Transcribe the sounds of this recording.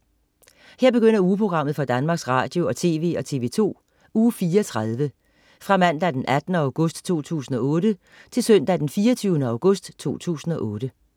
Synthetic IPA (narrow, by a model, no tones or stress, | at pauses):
heɐ̰b̥e̝ɡ̥øn̰ɐuːpʰʁo̝ɡ̥ʁɑ̈m̰ð̩ˠfɒ̽d̥ænmɑ̈ːɡ̥sʁɑ̈ːd̥jo̝ɒ̽t͡sʰe̝̰ːʋe̝̰ːɒ̽t͡sʰe̝̰ːʋe̝̰ːt͡sʰo̝̰ː | uːfiːɒt͡sʰʁað̞ˠʋə | fʁɑ̈mæn̰d̥æd̥enʔæd̥nəɑ̈ʊɡ̥ɔ̽sd̥t͡sʰo̝̰ːt͡sʰṵːsn̩ɒ̽ɔ̽ːɾ̥ə | t͡sʰe̝lsœn̰d̥æd̥enfiːɐt͡sʰyːʊnəɑ̈ʊɡ̥ɔ̽sd̥t͡sʰo̝̰ːt͡sʰṵːsn̩ɒ̽ʔɔ̽ːɾ̥ə